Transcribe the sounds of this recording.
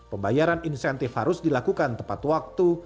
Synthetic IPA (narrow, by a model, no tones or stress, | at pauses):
pəmbajaɾaninsant̪ifhaɾʊsdilakukant̪əmpat̪wak̚t̪u